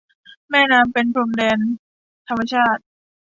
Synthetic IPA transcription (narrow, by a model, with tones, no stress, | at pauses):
mɛː˥˩naː˧mpe˧npʰɾo˧ŋdɛː˧n | t̪ʰa˧mːa˧t͡ɕʰaː˥˩t̪̚